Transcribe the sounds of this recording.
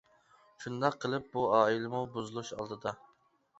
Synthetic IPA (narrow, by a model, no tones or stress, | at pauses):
ʃund̪ɑqʰːəlˠɨp̚buɑːilɪmubuzɨlˠuʃɑ̰lˠd̪ɨd̪ɑ